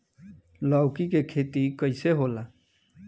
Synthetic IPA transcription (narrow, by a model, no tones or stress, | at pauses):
lɔwkikekʰeːt̪ikəɪseɦoːlaː